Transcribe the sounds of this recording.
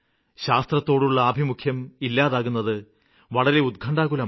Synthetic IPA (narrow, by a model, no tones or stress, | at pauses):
ɕaːst̪rɐt̪ːo̞ːɽuɭːɐːbʱimukʰjɐmilːaːðaːɣunːɐðɨ | ʋɐɭɐɾe̞ud̪̚kʰɐɳɖaːɣulɐ